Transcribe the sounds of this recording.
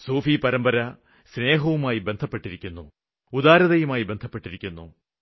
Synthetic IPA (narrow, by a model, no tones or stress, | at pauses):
soːfipɐɾɐmbɐɾɐ | sne̞ːɦɐʋumaːjibe̞nd̪ʱɐpːe̞ʈːiɾikʲːunːṵ | ud̪aːɾɐðɐjumaːjibe̞nd̪ʱɐpːe̞ʈːiɾikʲːunːṵ